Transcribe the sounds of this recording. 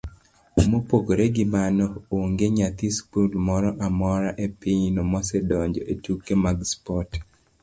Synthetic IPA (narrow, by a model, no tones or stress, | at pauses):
mopokoɾeɡɪmanɔoŋɡeɲat̪ispulmɔɾɔʔamɔɾaʔepiɲnomɔsɛdɔɲd͡ʒɔʔetukemaɡspɔt